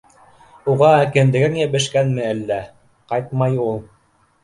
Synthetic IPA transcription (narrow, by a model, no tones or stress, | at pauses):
uʁɑkɘ̆nd̪ɘ̆ɡɘŋjɘ̆βɘ̆ʃkænmɘælːæ | qɑjt̪mɑjulˠ